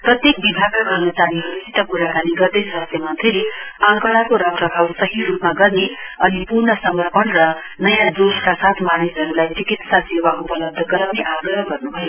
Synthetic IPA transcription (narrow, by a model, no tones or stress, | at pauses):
prʌt̪jek̚bibʱaɡaɡʌrnʌt͡saniɦʌɾusʰit̪ʌkuɾakaniɡʌrd̪ʌjsʌɦʌst̪jemʌnt̪rileãŋkʌɭakoɾʌkrʌbʱawsʌɦirupmaɡʌrneʌnipurnʌsʌmʌrpʌnrʌ | nʌjãd̪ubkasat̪ʰmanisɦʌɾulajt͡sikit̪sasewaʔupʌlʌb̚d̪ʱːʌɡʌɾʌwneʔaɡrʌɦɡʌrnubʱʌjo